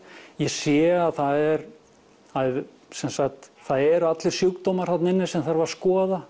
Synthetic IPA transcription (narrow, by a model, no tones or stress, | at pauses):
jɛsjɛːɣaðθaðɛɾ | θaðɛ | sɛnsakt̪θaðɛɾat̪lɪɾ̥sjʏkt̪owmaɾ̥θat̪nɪnːɪsɛmθaɾvaɾ̥skɔːða